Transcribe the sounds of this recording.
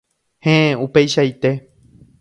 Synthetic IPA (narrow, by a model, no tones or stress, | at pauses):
hẽẽupe̞jʃait̪e̞